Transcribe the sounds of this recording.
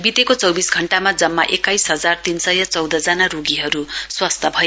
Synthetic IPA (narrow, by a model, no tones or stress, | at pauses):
bit̪ekot͡sʌwbisɡʱʌɳʈamad͡zʌmːa̰ʔekajsɦʌd͡zart̪insʌjʌt͡sʌwd̪ʱʌd͡zanaɾuɡiɦʌɾuswast̪ʰʌbʱʌ